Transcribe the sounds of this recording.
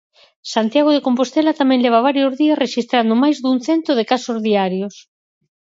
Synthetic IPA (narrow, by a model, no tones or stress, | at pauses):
sant̪jaɣ̞oð̞ekompost̪elat̪amɛ̃ŋleβ̞aβ̞aɾjozðiɐsreʃist̪ɾand̪omajzðuŋθent̪oðekasozðiaɾjos